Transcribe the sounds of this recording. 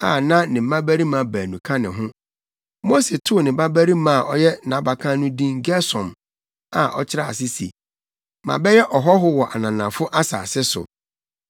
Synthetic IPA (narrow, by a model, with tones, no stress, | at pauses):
a˨nã˦nɪ̃˨m̩˨˦mã˦bæ˦ɾi˦mã˨˦bæː˨nũ˨kʰã˦nɪ̃˨ɦʊ̃˦ | mo˦se˨tʰʊ˦˨nɪ̃˨ba˦bæ˦ɾi˦mã˦˨ʔɔ˦jɛ˦nã˨˦ba˨kʰã˦nʊ̃˦dĩ˦ŋ˦ɡɛ˦sɔ̃˨m | a˨ʔɔ̰˦t͡ɕʰɪ˦ɾa˦˨a̰˨sɪ˦sḭ˨ | mã̰˨bɛ˦jɛ˦ʔɔ˨ɦɔ˦ɦʊ˦wɔ˨ʔa̰˨nã˨nã˨fʊ˦ʔa˦sa̰ː˨sɪ˦sʊ̰˨